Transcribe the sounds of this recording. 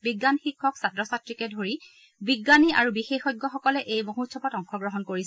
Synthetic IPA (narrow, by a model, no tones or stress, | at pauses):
biɡːanxikʰːɔksatɹɔsatɹikɛdʱoɹi | biɡːaniaɹubixexɔɡːɔxɔkɔlɛʔejmoɦutsʰɔpɔtɔŋxʰɔɡɹɔɦɔnkoɹis